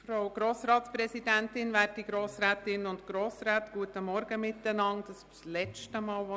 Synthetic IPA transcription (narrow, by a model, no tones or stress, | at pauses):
fɾowɡ̥ɾoːsɾɑːtspɾɛsidæntɪnvæːɾtiɡɾoːsɾæːtɪnʊntɡ̥ɾoːsɾæːtɡ̥uətəmɔɾɡ̥əmɪtːənɑŋdɑs | lɛt͡stəmɑːlʋo